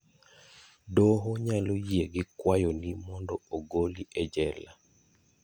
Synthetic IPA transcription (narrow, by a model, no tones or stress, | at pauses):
dɔɦɔɲalojieɡɪkwajɔnimɔndɔoɡoliʔɛd͡ʒɛla